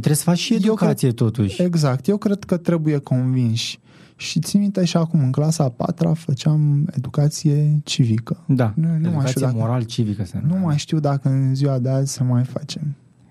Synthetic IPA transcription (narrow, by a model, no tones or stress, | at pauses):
t̪ɾesəfat͡ʃʃiejd̪ewkasiet̪o̞t̪uʃeɡzak̚t̪je̞wkɾe̞d̪kət̪ɾe̞buje̞ko̞nvinʃʲ | ʃit̪imit̪eʃiakumɨŋklasapa̰t̪ɾa̰fət͡ʃame̞̰d̪ukat̪sije̞t͡ʃivikəd̪annumajt̪iamoɾalt͡ʃivikəsenumajʃt̪iwd̪akəɨnziwad̪eazʲsəmajfa̰t͡ʃe̞m